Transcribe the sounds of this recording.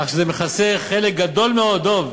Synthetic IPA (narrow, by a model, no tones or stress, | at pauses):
aχʃezemeχaseχelek̚ɡad̪o̞lmeo̞d̪̚ov